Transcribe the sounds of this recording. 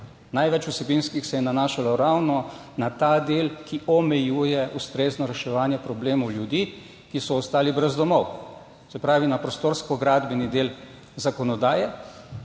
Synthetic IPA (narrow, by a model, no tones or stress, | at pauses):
najʋɛt͡ʃusɛbinskixsɛjɛnanaːʃalɔɾawnɔnat̪ad̪eːlkiʔɔmɛjuːjɛʔust̪ɾeːznɔɾɛʃɛʋaːnjɛpɾɔbleːmɔwljud̪iː | kisɔːst̪aːlibɾɛzd̪ɔmɔw | sɛpɾaːʋinapɾɔst̪oːɾskɔɡɾaːd̪bɛnid̪eːl | zakɔnɔd̪aːjɛ